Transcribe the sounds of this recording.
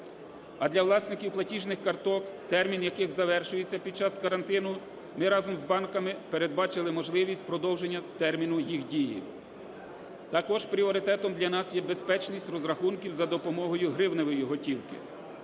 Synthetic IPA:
ɐd̪lʲɐwlˠɑsnɪkʲiwplˠɐtʲiʒnɪxkɐrt̪ɔkt̪ɛrmʲinjɐkɪɣzɐʋɛrʃʊjet͡sʲːɐpʲid̥̪̚t͡ʃɑskɐɾɐnt̪ɪnʊ | mɪɾɑzɔmzbɑnkɐmɪpeɾed̪̚bɑt͡ʃɪlˠɪmɔʒlˠɪʋʲisʲt̚ʲpɾɔd̪ɔwʒenʲːɐt̪ɛrmʲinʊjixdʲijḭ | t̪ɐkɔʒpɾʲiɔɾɪt̪ɛt̪ɔmd̪lʲɐnɑsjɛbe̞spɛt͡ʃnʲisʲtʲrɔzɾɐxunkʲiwzɐd̪ɔpɔmɔɦɔjʊɦɾɪwneʋɔjiɦɔtʲiwkɪ̰

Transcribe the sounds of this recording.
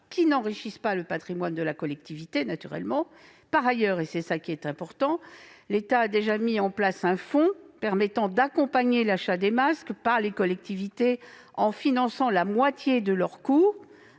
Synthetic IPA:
kʲʰinɑ̃ʁiʃispaləpat̪χimwand̪əlakɔlɛk̚t̪ivit̪enat̪yʁɛ̰lmɑ̃ | paʁajœʁesɛsakʲiɛt̪ɛ̃pɔʁt̪ɑ̃let̪aːd̪eʒamiɑ̃plasɛ̃fɔ̃pɛʁmɛt̪ɑ̃d̪akɔ̃paɲelaʃad̪emaskpaʁlekɔlɛk̚t̪ivit̪e | ɑ̃finɑ̃sɑ̃lamwat̪jed̪əlœʁkuːʁ

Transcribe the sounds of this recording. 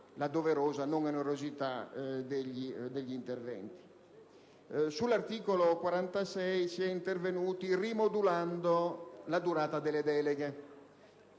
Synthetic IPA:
lad̪oveɾoːzanoŋeneɾozit̪ad̪eʎːid̪eʎːint̪ervɛ̰nt̪i̥ | sulːart̪iːkolokwaɾant̪asɛjsiɛint̪ervenuːt̪irimod̪uland̪olad̪uɾaːt̪ad̪elːed̪ɛːleɡe

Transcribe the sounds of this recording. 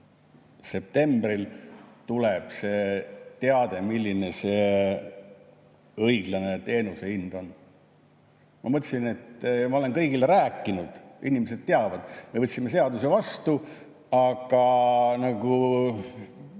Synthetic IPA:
se̞p̚t̪e̞mbrilt̪uleb̥se̞t̪eɑd̪̥e̞milʲːine̞se̞ | ɤjɡ̥lɑne̞t̪e̞ːnuse̞ind̪̥o̞n | mʔɑmɤt̪ʲːsine̞t̪mɑo̞le̞nkɤ̞jɡileɾæːkːˑinud̪̥inimese̞d̪̥̚t̪e̞ɑvɑd̪̥me̞vɤt̪ʲsime̞s̬e̞ɑd̪use̞vɑst̪u | ɑɡ̥ɑnɑɡ̥u

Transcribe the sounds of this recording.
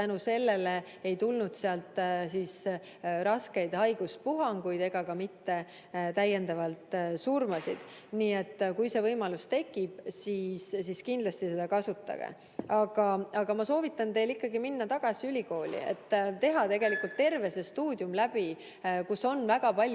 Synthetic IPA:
t̪ænuse̞lːe̞le̞ | ejt̪ulnud̪̥seɑlt̪ˑsiːs | ɾɑske̞jd̪̥hɑjɡ̥uspuɦɑŋɡ̥ujd̪̥e̞ɡ̥ɑkɑmit̪ːe̞ | t̪æjːe̞nd̪ɑvɑlt̪ˑsurmɑsḭd̪̥ | niːe̞t̪ːkujse̞vɤjmɑlust̪e̞kːˑib̥siːssiskind̪lɑst̪ise̞d̪ɑkɑsut̪ːˑɑ̰ɡ̥ḛ | ɑɡ̥ɑɑɡ̥ɑmɑso̞ːvit̪ˑːɑnt̪e̞jlikːɑɡiminːɑt̪ɑɡ̥ɑsiylʲiko̞ːlʲḭḛt̪ːt̪e̞ɦɑt̪e̞ɡe̞likult̪ːe̞rve̞se̞st̪uːd̪jumlæb̥i | kusːo̞nːvæɡ̥ɑpɑlʲ

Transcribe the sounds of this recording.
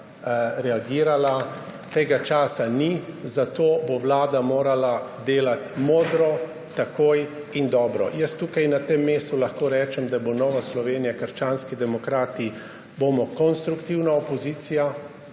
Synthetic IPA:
ɾɛaɡiːɾala | t̪eːɡat͡ʃaːsanizat̪oːbowlaːd̪amoːɾalad̪eːlat̪moːd̪ɾɔ | t̪akoːj | ind̪ɔːbɾɔ̰jəst̪uːkajnat̪emːeːst̪ulaxkoːɾɛːt͡ʃɛmd̪abonɔːʋaslɔʋeːnijakəɾʃt͡ʃaːnskid̪ɛmɔkɾaːt̪i | boːmɔkɔnst̪ɾukt̪iwnaɔpɔziːt̪sija

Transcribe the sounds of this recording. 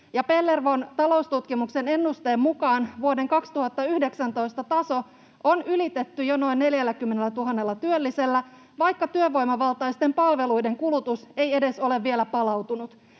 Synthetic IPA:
jɑpe̞lːerʋont̪ɑlo̞ust̪ut̪kimukse̞ne̞nːust̪e̞ːmmukɑːnʋuode̞ŋkɑkst̪uhɑt̪ːɑyhde̞ksænt̪o̞jst̪ɑt̪ɑso̞ | onylit̪e̞t̪ːyjono̞inːe̞ljælːækymːe̞nelːæt̪uɦɑnːe̞lːɑt̪yølːise̞lːæ | ʋɑjkːɑt̪yøʋo̞jmɑʋɑlt̪ɑjst̪e̞mpɑlʋe̞lujde̞ŋkulut̪use̞je̞de̞so̞le̞ʋʋielæpɑlɑwt̪unut̪

